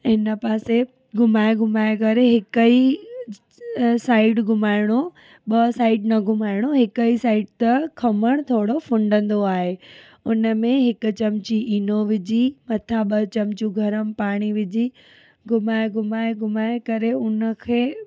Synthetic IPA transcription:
ɪnə̆paːse | ɡʱʊmaːeɡʱʊmaːekɐɾeɦɪkəi | saːɪɖɡʱʊmaːɪɽ̃o | ɓɐsaːɪɖnɐɡʱʊmaːɪɽ̃oɦɪkəisaːɪɖt̪ɐkʰɐməɽ̃t̪ʰoːɽofʊ̃ɳɖə̃nd̪oaːɦe | ʊnə̆mẽɦɪkʊ̆t͡ɕɐmt͡ɕiʔiːnoʋɪd͡ʑimɐt̪ʰaɓɐt͡ɕɐmt͡ɕuɡʱɐɾəmpaːɽ̃iʋɪd͡ʑi | ɡʱʊmaːeɡʊmaːeɡʊmaːekɐɾeʊnə̆kʰeː

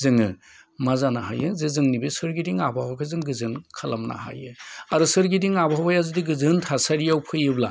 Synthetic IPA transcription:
zɯŋɯ | mazanaɦa̰jɯzɯzɯŋnibɯsɯɾɡidiŋabʱawakʰɯzɯŋɡɯzɯnkʰalamna̰ha̰jɯaɾusɯɾɡidiŋabawajazudiɡɯzɯntʰasaɾijawpʰɯjɯbla

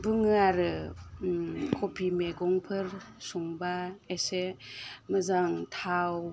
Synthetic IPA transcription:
bɯŋaɾɯ | kʰopʰimeɡɔŋpʰɯɾsuŋbaesemɐzaŋtʰaw

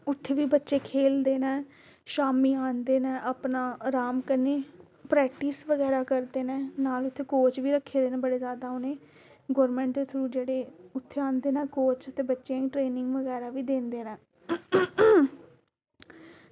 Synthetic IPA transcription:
ʊt̪ʰːeːʋiːbətːʃeːkʰeːld̪eːnɛ̃ː | ʃaːmiːãːnd̪eːnɛ̃ːʔəpnaːɾaːmkəneː | pɾɛːkʈiːsʋəɡɛːɾaːkəɾd̪eːnɛ̃ːnaːlʊt̪ʰːeːkoːt͡ʃʋiːɾəkʰːeːd̪eːnɛ̃ːbəɽeːzjaːd̪aːʊneː | ɡoːɾmɛ̃ːɳʈd̪eːt̪ʰɾuːd͡ʒeːɽeːʊt̪ʰːeːãːnd̪eːnɛ̃ːkoːt͡ʃət̪ẽːbətːʃãːĩːʈɾeːnɪ̃ŋɡʋəɡɛːɾaːʋiːd̪ẽːnd̪eːnɛ̃ː

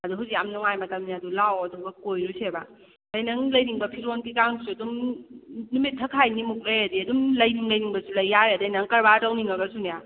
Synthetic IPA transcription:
ɐduɦuzikamnɔŋajmɐtɐmniɐdulawɐdubɐkojɾusʰeba | dɐjnɐŋlɐjniŋbɐpʰiɾonkikaŋsuɐdum | numitʰːɐkʰajnimuk̚ɾejɐdiɐdumlɐjniŋlɐjniŋbɐsulɐjːaɾeɐdɐjnɐŋkɐɾbatawniŋɐbɐsunija

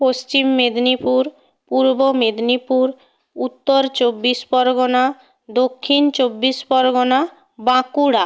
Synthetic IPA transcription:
post͡ɕimːed̪nipuɾ | puɾbomed̪nipuɾ | ut̪ːoɾt͡ɕobːispɔɾɡona | d̪okʰːint͡ɕobːispɔɾɡona | bãkuɽa

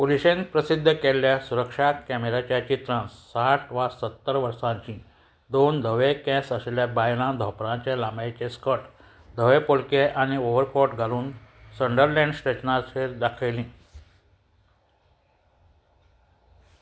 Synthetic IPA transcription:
poliɕenpɾəsid̪ʱːəkeljasuɾəkʂat̪̚kɛmeɾat͡ɕjat͡ɕit̪ɾãssaʈʰʋasət̪ːəɾʋəɾsãɲt͡ɕĩ | d̪ond̪ʱəʋekɛ̃səsɛljabajlãd̪ʱɔpɾãt͡ɕjalambajt͡ɕeskəʈ | d̪ʱəʋepolkeʔañioʋəɾkɔɾʈɡʱaluːnsəɳɖəɾlɛ̃ɳɖsʈet͡ɕnaseɾd̪akʰəjlĩː

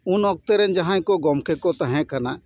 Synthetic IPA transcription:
unɔk̚t̪ɛɾɛnd͡ʒɐɦãjkɔɡɔmkʰekɔt̪aɦɛ̃kana

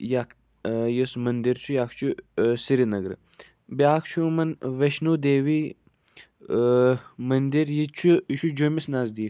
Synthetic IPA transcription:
jak | jismɐnd̪iɾt͡ʃʰujaːkʰt͡ʃʰusiɾinɐɡɾɨ̰ | bjaːkʰt͡ʃʰumɐnʋɐʃnuːd̪eːʋi | mɐnd̪iɾjit͡ʃʰut͡ʃʰud͡ʒomisnazd̪iː

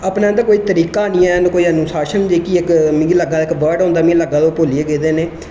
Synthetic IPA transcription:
aːpnaːənd̪akoːiːt̪əɾiːkaːnijãnkoːiːənusaːʃənd͡ʒiːkiɪkmɪ̃ɡiləɡaːd̪aɪkbəːɖõːnd̪aːmĩləɡaːd̪oːpoːlijeːɡeːd̪eːneː

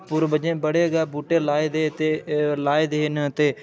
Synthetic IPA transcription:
pʊɾbəd͡ʒẽːbəɽeːɡaːbuːʈeːlaːed̪eːt̪eːlaːeːd̪eːnt̪eː

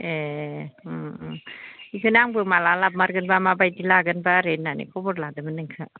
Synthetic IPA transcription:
e | ikɯnaŋbɯmalalap̚maɾɡɯnbamabajtilaɡɯnbaɾenːanḭkʰɔbɔɽlad̪ɯmɯnɯŋkʰɯ

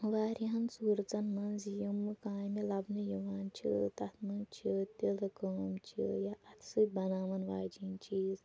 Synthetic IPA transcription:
ʋaːɾiɦɐnsuːɾt͡sɐnmɐnzijimːɨkaːjmilɐbnɨjiʋaːnt͡ʃʰḭt̪ɐt̪ʰmɐnt͡ʃʰit̪ʲilɐkəːmt͡ʃʰḭjaʔɐt̪ʰsɨbɐnaːmɐnʋaːd͡ʒint͡ʃiːz

